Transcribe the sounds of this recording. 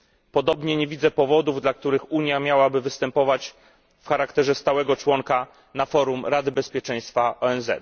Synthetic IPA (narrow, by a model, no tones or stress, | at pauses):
pɔd̪ɔbɲɛɲevʲid̪zɛpɔvɔd̪uvd̪lak̚t̪uɾɘxuɲjamʲjawabɘvɘst̪ɛmpɔvat͡ɕ | fxaɾakt̪ɛʐɛst̪awɛɡɔt͡ʂwɔŋka | nafɔɾumɾad̪ɘbɛspʲjɛt͡ʂɛ̃j̃st̪faʔɔɛnzɛ̰t̪